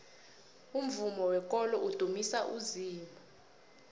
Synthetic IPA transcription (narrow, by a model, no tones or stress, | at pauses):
um̩vumɔwɛkʼɔlɔʔud̥ʱumisaʔuziːmbʱa